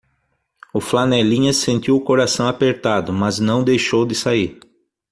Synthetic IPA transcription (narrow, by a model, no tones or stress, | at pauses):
ʊflanɛlĩɲɐsẽnt̪iwʊkoɾasɐ̃w̃apeɾt̪ad̪ʊmɐznɐ̃w̃d̪ejʃowd̪ɪsaiɾ